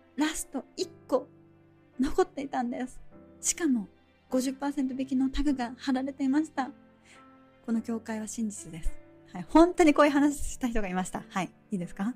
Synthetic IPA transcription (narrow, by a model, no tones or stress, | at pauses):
ɾasɨ̥t̪o̞ikːo̞ | no̞ko̞t̪ːe̞it̪ãnd̪e̞sɨ̥ɕi̥kamo̞ | ɡ̥o̞ʑɨpːaːsent̪o̞be̞kʲino̞t̪aɡɯ̟ɡahaɾaɾe̞t̪e̞imaɕi̥t̪a | ko̞no̞kʲo̞ːkaiβ̞aɕĩɲ̟d͡ʑit͡sɨd̪e̞sɨ̥ | haihõ̞nt̪o̞ɲ̟iko̞ːi̟ɦanaɕ̬i̥ɕi̥t̪açi̥t̪o̞ɡaimaɕi̥t̪ahai | iːd̪e̞sɨ̥ka